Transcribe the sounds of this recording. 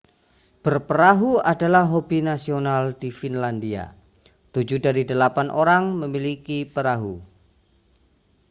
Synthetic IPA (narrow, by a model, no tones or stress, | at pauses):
b̥ərpəɾaɦuadalahɦobinasionald̥ifinlandia̰ | t̪ud͡ʒudaɾidəlapanʔoɾaŋməmilikipəɾaɦu